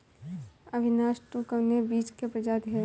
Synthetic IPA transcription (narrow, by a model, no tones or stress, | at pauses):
ɐbʱɪnaːʃʈukəʋnebiːt͡ʃkepɾəd͡ʒaːd̪ʱie